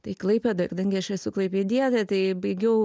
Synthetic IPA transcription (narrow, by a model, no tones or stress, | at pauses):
t̪ɐɪklˠɐɪpʲɛd̪ɐkɐd̪ɐŋɡʲɪɐʃɐsuklˠɐɪpʲeːd̪ʲiɛt̪ʲɐt̪ɐɪbɐɪɡʲɛʊ